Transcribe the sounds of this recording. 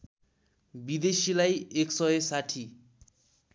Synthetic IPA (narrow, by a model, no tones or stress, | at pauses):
bid̪esilajeksʌjesaʈʰi